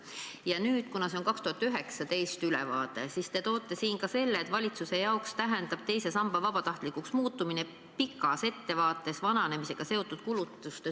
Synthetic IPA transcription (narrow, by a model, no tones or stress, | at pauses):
jɑnyːd̪̥kunɑse̞oŋkɑkst̪uhɑt̪ːˑyɦe̞ksɑt̪e̞jst̪ylɛ̰vɑ̰ːt̪e̞sist̪e̞t̪o̞ːt̪ːˑe̞siːŋkɑse̞lːeːt̪ːˑvɑlʲit̪suse̞jɑokst̪æɦe̞nd̪ɑb̥̚t̪e̞jse̞sɑmb̥ɑvɑb̥ɑt̪ɑht̪likuksmuːt̪ːˑumine | pikːˑɑse̞t̪ːe̞vɑːt̪ːˑe̞svɑnɑnemise̞ɡ̥ɑse̞o̞t̪ːˑud̪̥kulut̪ːˑust̪e